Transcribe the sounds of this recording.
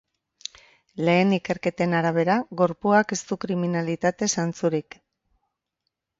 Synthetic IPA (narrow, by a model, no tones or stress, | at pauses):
le̞ːnike̞ɾke̞t̪e̞naɾaβ̞e̞ɾaɣo̞ɾpuake̞st̪ukɾiminalit̪at̪e̞sant͡suɾik